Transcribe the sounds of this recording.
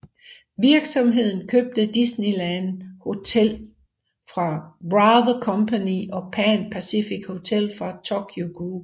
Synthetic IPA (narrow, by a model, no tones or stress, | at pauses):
ʋiɐɡ̥sɒ̽mɦe̝ð̞̰ˠn̩kʰøb̥̚d̥əd̥isnilænho̝t͡sʰel̰ | fʁɑ̈b̥ʁɑðˠɐkʰɒ̽mpʰæniʔɒ̽pʰænpʰæsifiɡ̥ho̝t͡sʰel̰fʁɑ̈t͡sʰokʰjoɡ̥uː